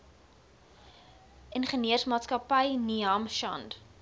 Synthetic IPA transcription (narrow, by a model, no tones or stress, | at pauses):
ʔənχəniərsmɑːtskɐpəjniɐmʃɐ̰nd